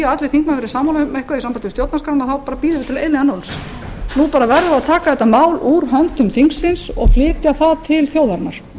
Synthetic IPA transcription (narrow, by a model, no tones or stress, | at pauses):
aat̪lɪθiŋknafɪɾɪɾ̥saːmawlmehkvaisampanɪst̪jowt̪naskaɾanːaθawpaːɾapiːðʏɾvɪt̪ʰɪleːjlɪanowls | nupaːɾavɛɾðʏaðt̪ʰaːkaθɛt̪ːamaːwlʔuɾɦœnt̪ʏmθiŋksːɪnsɔ̰ɣflɪːt̪jaθaðt̪ʰɪlθjoːwðaɾnːaɾ̥